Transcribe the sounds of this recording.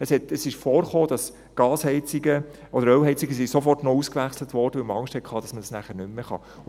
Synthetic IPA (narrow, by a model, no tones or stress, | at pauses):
əshɛtəsɪʃfɔːɾχoːd̥ɑs | ɡ̥ɑːshɛɪt͡siɡə | ʔɔdəɾœwɦɛɪt͡siɡəsisofɔrtnɔuskʋæχslətʋɔːrdəʋɪlməɑŋʃthɛt̚kʰɑːd̥ɑsməd̥ɑsnæχəɾnʏmːəχɑ̰